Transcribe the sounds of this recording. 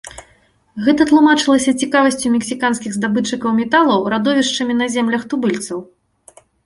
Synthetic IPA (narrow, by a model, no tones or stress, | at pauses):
ɣɛt̪ɐt̪lˠumat͡ʂɨlˠɐsʲɐt͡sʲikavɐsʲt͡sʲumʲɛksʲikanskʲiɣzd̪abɨt͡ʂɨkɐwmʲɛt̪alˠɐwɾad̪ɔvʲiʂt͡ʂɐmʲinɐzʲɛmlʲɐxt̪ubɨlʲt̪sɐw